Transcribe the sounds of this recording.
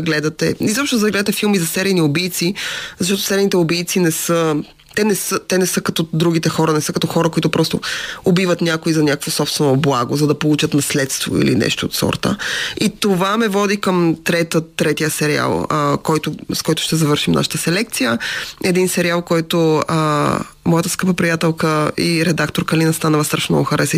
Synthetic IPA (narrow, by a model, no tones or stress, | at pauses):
ɡlɛd̪ɐt̪ɛ̰izɔpʃt̪nʊzɐɡlɛd̪ət̪ɛfilˠmizɐsɛɾijniobijt̪sizɐʃt̪ɔt̪o̥sɛɾinit̪ɛobijt̪sinɛsə | t̪ɛnɛsət̪ɛnɛsɤkɐt̪ɔd̪ɾuɡ̟it̪ɛxɔɾɐnɛsɤkɐt̪ɔxɔɾɐkoʊit̪ʊpɾɔst̪ʊ̰obivət̪nʲakʊizɐnʲakəkvosɔpst̪vɛnoblˠaɡʊzɐd̪ɐpolˠut͡ʃət̪nɐslɛt̪st̪vo̰ḭlḭnɛ̰ʃt̪o̰ːt̪sɔ̰ɾt̪ə̰it̪ovamɛvɔd̪ikəmt̪ɾɛt̪ət̪ːɾɛt̪ijəsɛɾia̰lˠəkɔjt̪ʊskɔjt̪ʊ̥ʃt̪ɛzɐvɤɾʃimna̰ʃə̥t̪əsɛlɛk̚t̪sijəɛd̪insɛɾialˠkɔjt̪ʊə | mɔjət̪əskɤpəpɾijat̪ɛlˠkəiɾɛd̪akt̪oɾkɐlinɐst̪anəvɐst̪ɾəfmnɔ̰ɡʊxɐɾɛsi